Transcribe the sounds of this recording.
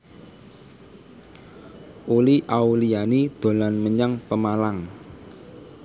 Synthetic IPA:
ʔuliʔaulijanid̪̥o̤lanməɲaŋpəmalaŋ

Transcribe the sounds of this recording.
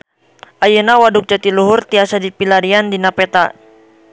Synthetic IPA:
ʔajənawaduk̚d͡ʒat̪iluɦʊrt̪iasadipilaɾiandinapɛt̪a

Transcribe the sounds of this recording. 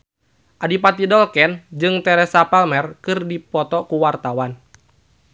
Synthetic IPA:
ʔadipat̪idɔlkɛnd͡ʒɨŋt̪ɛɾɛsapɛlmɛrkɨrdipɔt̪ɔkuwart̪awan

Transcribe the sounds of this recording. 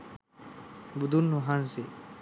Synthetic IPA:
bud̪unːuɦanse

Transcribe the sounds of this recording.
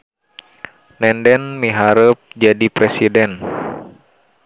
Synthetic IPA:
nɛndɛnmiɦaɾəp̚d͡ʒadipɾɛsidɛn

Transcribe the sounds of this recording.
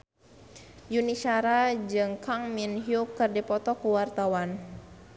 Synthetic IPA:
junisaɾad͡ʒɨŋkʰaŋminɦjukɨrdipɔt̪ɔkuwart̪awan

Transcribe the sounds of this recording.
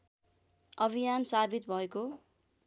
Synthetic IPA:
ʌbʱijansabʱit̪bʱʌeko

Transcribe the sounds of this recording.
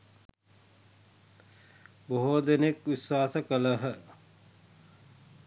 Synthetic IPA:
boɦod̪enekʋiswaːsəkələɦə

